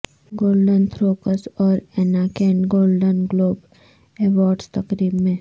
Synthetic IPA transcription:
ɡoːlɖənt̪ʰɾoːkəsɔːɾenaːkẽːɳɡoːlɖənɡloːb | eːʋɔːɾɖst̪ɐkɾiːbmẽ

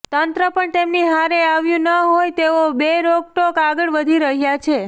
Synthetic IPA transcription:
t̪ənt̪ɾəpəɳt̪emniɦaɾeaʋjũnəɦojt̪eʋobeɾoɡ̚ʈokaɡəɭʋəd̪ʱiɾəɦjat͡ʃʰe

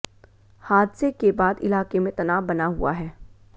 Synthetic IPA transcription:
haːd̪sekebaːd̪ɪlaːqemẽt̪ɐnaːbɐnaɦṵaɦɛː

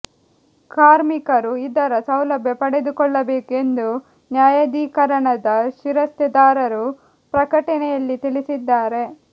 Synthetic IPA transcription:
kaːɾmikɐɾuid̪ɐɾɐsɐwlɐbʱjɐpɐɽe̞d̪ukɔɭːɐbeːkue̞nd̪u | njaːjɐd̪iːkɐɾɐɳɐd̪ɐʃiɾɐst̪ɐd̪aːɾɐɾu | pɾɐkɐʈɐnɛjɐlːit̪ilisid̪ːaːɾe̞

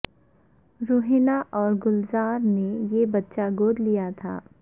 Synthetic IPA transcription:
ɾoːɦinaʔɔːɾɡʊlzaːɾnejebɐtːʃaɡoːd̪lijat̪ʰa̰ː

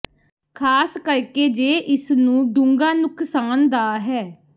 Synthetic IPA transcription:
kʰaːskəɾkeːd͡ʒeːʔɪsnũːd̪ʊ̃ŋɡaːnʊkʰsaːnd̪aːɦɛː

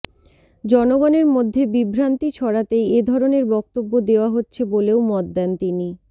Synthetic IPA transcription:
d͡ʑɔnoɡɔneɾmod̪ʱːebibʱɾant̪it͡ɕʰɔɾat̪eed̪ʱɔɾoneɾbɔk̚t̪obːod̪eoaɦotːɕʰeboleomɔt̪d̪ɛnt̪ini

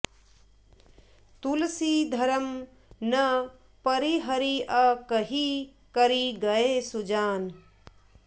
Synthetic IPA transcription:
t̪ulsid̪ʱɐɾəm | nɐ | pɐɾiɦɐɾiɐkəɦi | kɐɾiɡɐesud͡ʒaːn

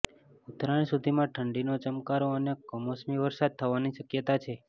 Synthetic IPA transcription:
ut̪ɾaɳsud̪ʱimãʈʰəɳɖinot͡ʃəmkaɾoənekɔmosmiʋəɾsad̪̚t̪ʰəʋaniʃəkjət̪at͡ʃʰe

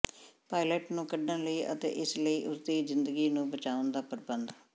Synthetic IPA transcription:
paːilɛːʈnũːkəɖːə̃nləiːʔə̰t̪ḛːʔɪsləiːʔʊsd̪iːzɪ̃nd̪əɡiːnũːbət͡ʃaːʊnd̪aːpəɾbənd̪

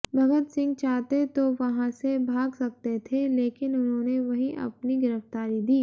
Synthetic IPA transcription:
bʱɐɡət̪sɪ̃ŋɡ̚t͡ʃaːɦt̪et̪oʋɐɦãsebʱaːɡsɐk̚t̪et̪ʰeleːkɪnʊnɦõːneʋɐɦĩʔɐ̰pniɡɪɾəft̪aːɾid̪iː

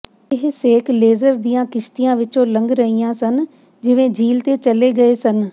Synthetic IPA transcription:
ɪɦseːkʰleːzəɾd̪ijãːkɪʃt̪ijãːʋɪt͡ʃõlə̃ŋɡɾəijãːsən | d͡ʒɪʋẽd͡ʒʱiːlt̪et͡ʃəleɡɐesən

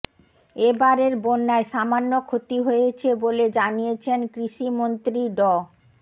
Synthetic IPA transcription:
ebaɾeɾbonːaeʃamanːokʰot̪iɦojet͡ɕʰeboled͡ʑanijet͡ɕʰenkɾiʃimont̪ɾiɖɔ

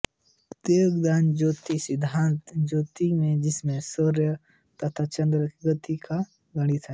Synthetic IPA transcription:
t̪ejoɡd̪aːnd͡ʒoːt̪isɪd̪ʱːaːnt̪d͡ʒoːt̪imẽd͡ʒɪsmẽsoɾjə | t̪ɐt̪ʰat͡ʃɐ̃nd̪ɾəɡət̪ika | ɡɐɽ̃it̪ʰa

